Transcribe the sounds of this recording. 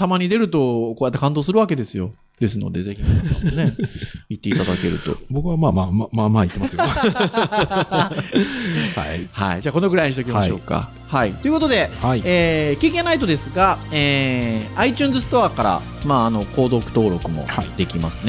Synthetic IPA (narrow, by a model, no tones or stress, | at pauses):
t̪amaɲ̟id̪e̞ɾɯ̟t̪o̞kojat̪ːekãnd̪o̞ːsɨɾɯ̟βake̞d̪e̞sɨjo̞̰ | d̪̥e̞sɨno̞̰d̪e̞zeçʲino̰neit̪ːe̞it̪ad̪ake̞ɾɯ̟̰t̪o̞̰bokɯ̟βamaːmamamaːit̪ːemaasɨjo | a̰ha̰id͡ʑaːko̞nokɯ̟ɾaiɲiɕit̪okʲimaɕo̞̰ːka̰ | hait̪o̞jɯ̟ko̞t̪o̞d̪e̞aieːkʲike̞nait̪o̞d̪e̞sɨɡaeːait͡ɕɨ̃ːnzɨsɨ̥t̪o̞aːkaɾa̰ | maːno̞ko̞ːd̪o̞kɯ̟̥t̪o̞ːɾo̞kɯ̟mo̞̰d̪e̞kʲimasɨ̥ne